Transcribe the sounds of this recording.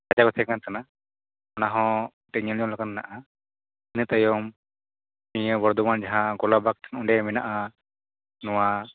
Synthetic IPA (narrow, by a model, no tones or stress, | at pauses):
ad͡ʒakɔt̪ʰɛkant̪ana | ɔnaɦɔ̃ | ʈɛɲəljɔmlakanna̰ʔa | inət̪əjɔm | mijəbɔɾd̪ɔmand͡ʒaɦãɡɔlabak̚t̪ʰḁnũɳɖɛmɛnaʔa | nɔwa